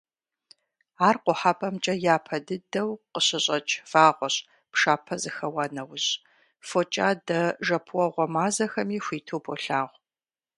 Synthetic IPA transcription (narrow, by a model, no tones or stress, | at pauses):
aːrqʷʊħapʰʼɐmt͡ʃʼɐjaːpʰɐdɨdɐwqəɕɪɕʼɐt͡ʃʼfaːʁʷɔɕ | pʂaːpʰɐzɨxɐwanɐwʊɕ | fot͡ʃʼaːdɐʒɐpʰwɔʁʷɔmaːzɐxɐmiːxʷiːtʰoːbʰoɬaːʁʷ